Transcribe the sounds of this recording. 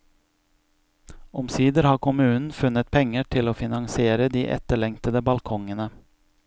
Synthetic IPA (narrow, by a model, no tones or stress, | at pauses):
ɔmsiːd̪əɾhɑːkʰʊmʉːnn̩fʉnːət̪̚pʰɛŋːəʈʰɪloːfɪnɑŋsɪeːɾəd̪iːʔɛ̰t̪ːəɭɛŋt̪əd̪əbɑlkʰɔŋənə